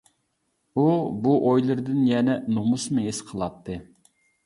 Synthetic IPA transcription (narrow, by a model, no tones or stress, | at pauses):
ubuʔojlˠɨɾd̪ɨnjɛnɛnomusmɨesqʰəlˠɑt̪ʰːɨ